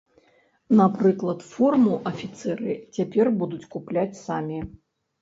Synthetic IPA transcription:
napɾɨklˠɐt̪fɔrmuʔɐfʲit̪sɛɾɨt͡sʲapʲɛrbud̪ut͡sʲkuplʲat͡sʲsamʲi

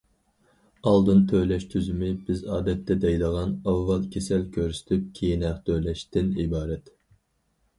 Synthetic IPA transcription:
ɑlˠd̪ɨnt̪ʰølɛʃt̪ʰyzymɪbɪzɑːd̪ɛt̪ʰːɛd̪ɛjd̪əʁɑnɑvːɑlˠkʲʰesɛlkʲʰøɾsy̥t̪ʰyp̚kʲʰejinæχt̪ʰøjlɛʃt̪ɪnibɑːɾɛt̪

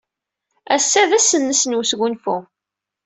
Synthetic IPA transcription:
æsːæðæsːənːəsnwusɡunfu

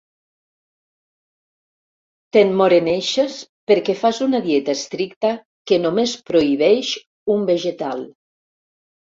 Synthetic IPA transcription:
t̪enmoɾeneʃes | peɾkefazunaðjet̪aest̪ɾikt̪a | kenomespɾoiβɛʃ | umbeʒet̪alˠ

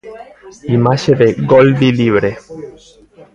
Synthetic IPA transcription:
imaʃeðeɡold̪iliβɾe

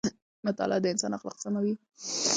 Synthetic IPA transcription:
mat̪ɑ̰lad̪əɪnsɑnaxlɑ̰qsamawi

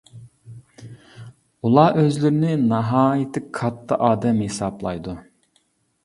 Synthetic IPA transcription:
ulˠɑʔøzlɪɾɪnɪnɑɦɑːjit̪ʰɪkʰɑt̪ʰːɑ̰ʔɑːd̪ɛmhesɑblˠɑ̰jd̪u

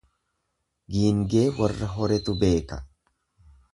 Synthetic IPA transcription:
ɡiːŋɡe̞ːwɐrːɐɦɔɾɛt̪ʊbe̞ːkɐ̥

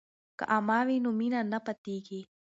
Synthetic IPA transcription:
kɐ̰ʔamaːʋinuminanɐpɐt̪iːɡeː

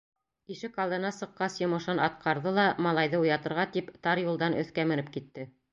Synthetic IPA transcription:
iʃɘkɑlˠd̪ɤ̆nɑsɤ̆qːɑsjŏmɤ̆ʃɤnɑt̪̚qɑɾðɤlˠɑmɑlˠɑjðɤujɑt̪ɤ̆ɾʁɑt̪ipt̪ɑɾjulˠd̪ɑnʔɵ̰̆θkæmɘ̆nɘp̚kit̪ːɘ

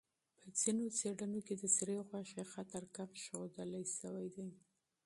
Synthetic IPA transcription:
pəd͡z̥inot͡seɽənoked̪əsɾeɣwaʃexat̪aɾkamʃɣod̪əlajʃəwajd̪aj

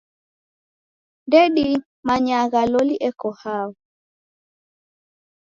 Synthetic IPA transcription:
ndɛɗi | maɲaɣalɔliʔɛkɔhaɔ

